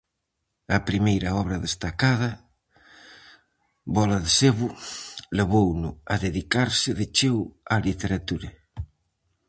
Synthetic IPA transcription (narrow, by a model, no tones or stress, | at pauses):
ɐpɾimejɾaɔβ̞ɾɐðest̪akaðɐ | bɔlaðeseβʊleβownʊaðeðikaɾsɪðet͡ʃewalit̪eɾat̪uɾa